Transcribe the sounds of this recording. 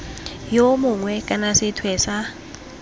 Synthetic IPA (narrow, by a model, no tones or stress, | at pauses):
jomuŋwekʼanasit̪ʰwesa